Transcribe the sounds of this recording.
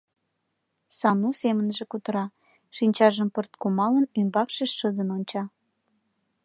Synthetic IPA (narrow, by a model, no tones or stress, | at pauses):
sɑnusemənʒĕkut̪əɾɑ | ʃinʲt͡ɕɑʒəmpərt̪̚komɑlənymbɑkʃeʃːəd̪ənonʲt͡ɕɑ